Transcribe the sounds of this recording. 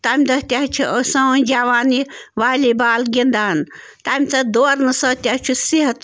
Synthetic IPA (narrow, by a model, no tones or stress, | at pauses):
t̪aːmʲd̪ɐɦt̪ʲaɦt͡ʃʰuʔəsɐnd͡ʒaːʋaːniʋaːlibaːlɡʲind̪aːn | t̪aːmʲt͡sɐd̪oːɾnɨsəːt̪ʲaht͡ʃʰusiɦɐt̪